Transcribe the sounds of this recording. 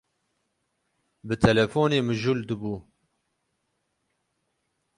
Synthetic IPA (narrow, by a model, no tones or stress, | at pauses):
bɨt̪ʰɛlɛfoːneːmɨʒuld̪ɨbuː